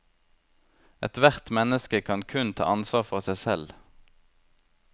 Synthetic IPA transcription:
ɛt̪ʋæʁt̪mɛnəskəkʰɑnkʰʉnt̪ʰɑ̰ːʔɑnsʋɑːʁfɔʁsæɪsɛl

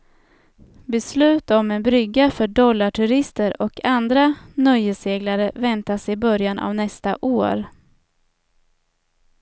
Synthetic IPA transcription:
bɛslʉ̟ːt̪ɔmɛnbɾʏɡːafœɖɔlːaʈʰɵɾɪst̪əɾɔkʰand̪ɾanœjːəseːɡlaɾəvɛnt̪asɪbœɾjanʔa̰vnɛst̪a̰ʔoːɾ

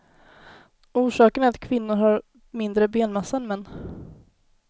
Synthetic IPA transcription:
uːʂɑːkənɛɾat̪kʰvɪnːʊɾhaɾ | mɪnd̪ɾəbeːnmɛsːanmɛnː

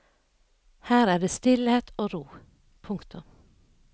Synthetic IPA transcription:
hæːɾæːɖeːst̪ɪlheːt̪ʰoːɾuː | pʰʊŋkt̪ʊm

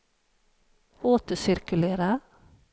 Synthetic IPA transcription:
oːt̪əsɪɾkʉleːɾə

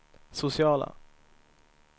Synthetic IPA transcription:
sʊsɪɑːla̰

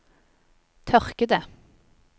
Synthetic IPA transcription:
t̪ʰœʁkəd̪ə

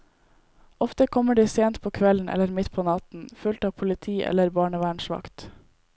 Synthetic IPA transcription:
ɔft̪əkʰɔməɖiːseːnt̪̚pʰoːkʰʋɛln̩ʔɛ̰ləɾmɪt̪pʰoːnɑt̪n̩fʉlt̪ɑːpʰʊlɪt̪ʰiːʔɛ̰ləɾbɑːɳəʋæːɳʃʋɑ̰kt̪

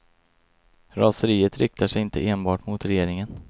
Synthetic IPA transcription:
ɾɑːsəɾiːət̪ɾʏk̚t̪aʂɛjɪnt̪əʔeːnbɑːʈmʊt̪ɾɛjeːɾɪŋən

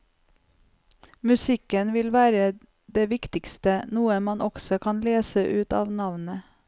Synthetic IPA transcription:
mʉsɪkənʋɪlʋæːɾə | d̪eːʋɪkt̪ɪkst̪ənuːəmɑnʔɔɡsɔkʰɑnleːsəʔʉːt̪ɑ̰ːʋnɑʋnə

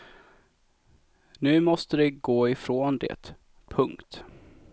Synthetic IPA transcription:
nʉ̟ːmɔst̪əd̪ɛɡoːɪfɾoːnd̪ḛt̪ | pʰɵŋkt̪

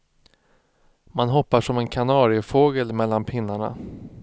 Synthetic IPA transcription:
manɦɔpːaʂɔmɛnkʰanɑːɾɪfoːɡəlmɛlːanpʰɪnːaɳa̰

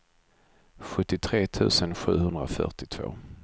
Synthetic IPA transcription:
ɧɵt̪ːɪt̪ʰɾeːt̪ʰʉ̟̰ːsənɧʉ̟̰ːhɵnd̪ɾa̰fœ̰ʈɪt̪ʰv̥o̰ː

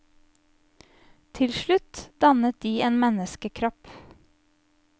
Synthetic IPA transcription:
t̪ʰɪlʃɭʉt̪d̪̥ɑnət̪̚d̪iːeːnmɛnəskəkʰɾɔp

